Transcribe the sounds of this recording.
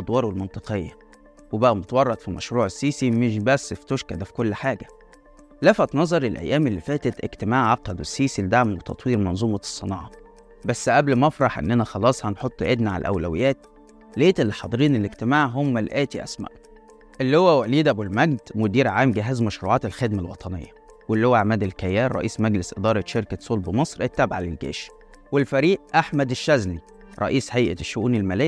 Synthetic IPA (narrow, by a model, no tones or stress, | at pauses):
ʔɑd̪ˤwɑːɾˤwelmɑnt̪ˤɨqejːɑ | webæʔæmot̪wɑrˤːɑt̪fimæ̰ʃɾuːʕesːiːsimeʃbæsːeft̪oʃkæd̪æfi̥kolːħaːɡæ | læfæt̪nɑzˤɑɾˤelʔæ̰jːæːmelːifæːt̪et̪ʔḛɡt̪emaːʕʕɑqːɑlwesːiːsiled̪aʕmwet̪ɑt̪ˤwiːɾmɑnzˤuːmɑ̥sˤːɨnɑːʕɑ | bæsːʔæblmɑfɾˤɑħʔḛnːʔænæxɑlɑːsˤhɑnħot̪ˤːʔed̪naʕa̰lʔæ̰wlæwḛjːæːt̪̚ | leːt̪elːiħɑd̪ˤɨɾiːneleɡt̪emaːʕɦomːælʔæːt̪iʔæ̰smæ̰ʔ | ʔelːihowːæwæliːd̪æbulmæɡd̪mʊd̪iːɾʕaːmɡɪɦæːzmæʃɾuːʕɑːt̪elxed̪mælwɑ̰t̪ˤɑnḛjːɑ | welːihowːæʕmæːd̪elkæjːæːɾːˤɑ̰ʔiːsmæɡlesʔed̪ɑːɾˤɑʃeɾkæsˤolbmɑsˤɾʔet̪ːæbʕalælɡḛːʃ | welfæɾiːʔʔaħmæd̪eʃːæzni | ɾˤɑ̰ʔiːshæjʔæʃːʊʔuːnelmælæː